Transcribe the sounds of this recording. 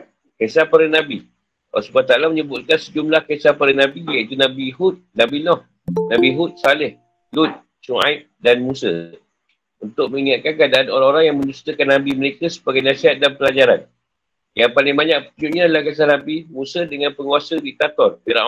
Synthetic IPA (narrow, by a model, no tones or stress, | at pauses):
kasapaɾənabḭ | subat̪alaməɲəbut̪̚kansəd͡ʒumlahkesapəɾənãbijait̪unabihut̪̚nãbinɔh | nãbiɦut̪̚salɪh | lut̪̚ | suŋa̰ip̚danmusə̰ | unt̪ʊk̚mə̃ŋiŋat̪̚kankandaanoɾaŋoɾaŋjaŋmə̃nust̪əkanːabiməɾekasə̥baɡajnãsiɦat̪̚danpəlad͡ʒaɾan | jaŋpalɪŋbaɲãk̚puud͡ʒuʔ̚ɲadəlahkas̬ahnabimũsədəŋãnpəŋuasədit̪at̪ɔrpiɾa̰ʔ